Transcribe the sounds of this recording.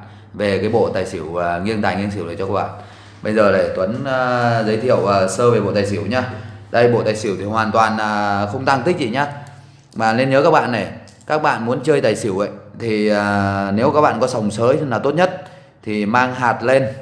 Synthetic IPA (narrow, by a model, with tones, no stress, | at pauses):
ve˨˩kaː˨˦jɓo̰˧˨t̪aː˨˩jsi˧˩əwŋi˧ənt̪aː˨˩ŋi˧ənsi˧˩wɗəː˨˩t͡ɕɔ˧kaː˦˥ɓa̰ː˧˨n | ɓə˧jzəː˨˩ɗe˧˩t̪wə˨˦nː˧zə˨˦jt̪ʰḭ˧˨ə˨wəː˨˩səː˧ve˨˩ɓo̰˧˨t̪aː˨˩si˧˩əwɲaː˧ɗə˧jɓo̰˧˨t̪aː˨˩jsi˧˩əwt̪ʰi˨˩hwaː˨˩nt̪waː˨˩naː˨˩xə˧wŋ͡mt̪a˧ŋt̪ï˦˥k̚zḭ˧˨˩ɲaː˨˧˦ | maː˨˩le˧nɲəː˨˦kaː˦˥k̚ɓa̰ː˧˨nːa˨˩j | kaː˦˥k̚ɓa̰ː˧˨nmu˨˦ənt͡ɕəː˧jt̪aː˨˩jsi˧˩əwʔə̰˧˨jt̪ʰi˨˩əː˨˩ne˨˦wkaː˦˥k̚ɓa̰ː˧˨nkɔ˨˦sa˨˩wŋ͡msəː˨˦jnaː˨˩wt̪o˦˥t̚ɲə˦˥t̚ | t̪ʰi˨˩maː˧ŋɦaː˨˩t̚le˧n